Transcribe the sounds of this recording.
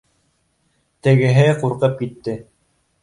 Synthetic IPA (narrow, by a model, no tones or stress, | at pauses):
t̪ɘ̆ɡɘ̆ɦɘquɾqɤp̚kit̪ːɘ